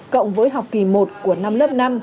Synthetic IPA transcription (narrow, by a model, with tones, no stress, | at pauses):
kə̰˧˨wŋ͡mvəː˨˦jɦa˨˩wk͡p̚ki˧˩mo˨˩t̚ku˧˩əna˧mləː˦˥p̚na˧m